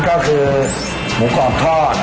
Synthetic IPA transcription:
kɔ˥˩kʰɯː˧ | mu˨˩˦kɔː˨˩t̪ʰɔː˥˩t̪̚

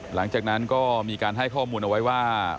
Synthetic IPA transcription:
la˩˦ŋt͡ɕaː˨˩k̚na˦˥nkɔː˥˩miː˧kaː˧nɦa˥˩jkʰɔː˥˩muː˧nʔa˧wa˦˥jwaː˥˩

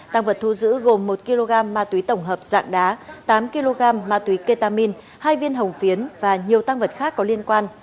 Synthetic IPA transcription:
t̪a˧ŋvə˨˩t̚t̪ʰu˧zɨ̰˧˥ɣo˨˩mːo˨˩t̚ki˧lo˧ɣaː˧mːaː˧t̪wi˨˦t̪ə˧˩wŋ͡mɦəː˨˩p̚z̥a̰ː˧˨ŋɗaː˨˦t̪aː˨˦mki˧lo˧ɣaː˧mːaː˧t̪wi˨˦ke˧t̪aː˧mi˧n | haː˧jvi˧ənɦə˨˩wŋ͡mfi˨˦ənvaː˨˩ɲi˨˩əwt̪a˧ŋvə˨˩t̚xaː˦˥kːɔ˨˦li˧ənkwaː˧n

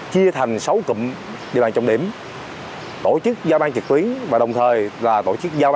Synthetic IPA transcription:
t͡ɕi˧ət̪ʰa˨˩jŋ̟sə˨˦wkə̰˧˨m | ɗi˧˩əɓaː˧˨t͡ɕɔ˧wŋ͡mɗḭ˧˩əm | t̪o˧˩t͡ɕɨ˦˥k̚zaː˧ɓaː˧ŋt͡ɕi˨˩k̚t̪wi˨˦əŋvaː˨˩ɗə˨˩wŋ͡mt̪ʰəː˨˩jlaː˨˩t̪o˧˩t͡ɕɨ˦˥k̚zaː˧

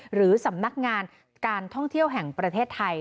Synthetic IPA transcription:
ɾɯː˩˦sa˩˦mna˦˥k̚ŋaː˧n | kaː˧nt̪ʰɔ˥˩ŋt̪ʰi˥˩əwɦɛ˨˩ŋpɾa˧t̪ʰeː˥˩t̪ʰːa˧j

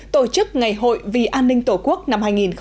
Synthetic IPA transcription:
t̪o˧˩t͡ɕɨ˦˥k̚ŋa˨˩jɦo̰˧˨jvḭ˨˩ʔaː˧nːï˧ŋ̟t̪o˧˩ku˦˥ək̚na˧mɦaː˧jŋi˨˩nx

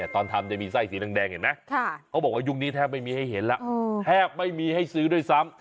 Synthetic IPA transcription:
t̪ɔː˧nt̪ʰa˧mt͡ɕa˨˩miː˧sa˧˩jsiː˨˩˦na˧ŋdɛː˧ŋhe˨˩˦na˦˥kʰaː˥˩kʰa˦˥wbɔː˨˩k̚waː˧˩ju˧˩ŋniː˦˥t̪ʰɛː˥˩ma˥˩jmiː˧ha˥˩jɦe˩˦nla˦˥ʔt̪ʰɛː˥˩p̚ma˥˩jmiː˧ha˥˩jsɯː˦˥du˧˩˨jsa˦˥˩m

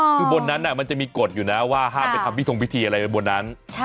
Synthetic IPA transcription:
kʰɯː˧bo˧nːa˦˥nːa˧˩ma˧nt͡ɕa˨˩miː˧ko˨˩t̪̚juː˨˩na˦waː˥˩ɦaː˥˩ma˧˩t̪ʰa˧mpʰiː˥˩t̪ʰwi˦˥t̪ʰiː˧ʔa˧ɾa˧jbo˧nːa˦˥n

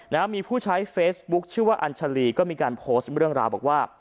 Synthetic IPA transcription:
naː˦˥mːiː˧pʰuː˥˩t͡ɕʰa˦˥jfeː˦˥sbu˦˥k̚t͡ɕʰɯ˥˩əwaː˥˩ʔa˧nt͡ɕʰa˧liː˧˩kɔː˥˩miː˧kaː˧npʰoː˦˥st̪ɾɯ˥˩əŋɾaː˧wbɔː˨˩k̚waː˥˩

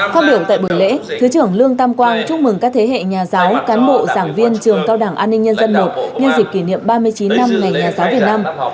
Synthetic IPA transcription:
faː˦˥t̚ɓi˧˩əwt̪a̰ː˧˨jɓu˧˩˨jlḛ˧˥t̪ʰɨ˨˦t͡ɕɨ˧˩əŋlɨ˧əŋt̪a˧mkwaː˧nt͡ɕʊ˧˥˧ŋ͡mmɨ˨˩ŋkaː˦˥k̚t̪ʰe˨˦ɦḛ˧˨ɲaː˨˩zaː˨˦wkaː˨˦nɓo̰˧˨zaː˧˩ŋvi˧ənt͡ɕɨ˨˩əŋkaː˧wɗaː˧˩ŋʔaː˧nːi˧ŋ̟ɲə˧nzə˧nːo˨˩t̚ɲə˧nzi˨˩k̚ki˧˩nḭ˧˨əmɓaː˧mɨ˧əjt͡ɕi˨˦nːa˧mŋa˨˩jɲaː˨˩zaː˨˦wvi˨˩ət̚naː˧m

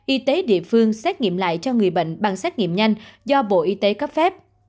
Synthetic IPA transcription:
ʔi˧t̪e˨˦ɗḭ˧˨əfɨ˧əŋsɛ˦˥k̚ŋḭ˧˨əmla̰ː˧˨jt͡ɕɔ˧ŋɨ˨˩əjɓə̰˧˨jŋ̟ɓa˨˩ŋsɛ˦˥k̚ŋḭ˧˨əmɲa˧jŋ̟zɔ˧ɓo̰˧˨ʔi˧t̪e˨˦kə˦˥p̚fɛ˦˥p̚

